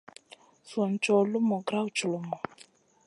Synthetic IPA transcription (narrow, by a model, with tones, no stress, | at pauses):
so˨n˨t͡ʃɔ˨lu˦mɔ˨ɡɾa˦wu˨t͡ʃu˨lo˨mɔ˨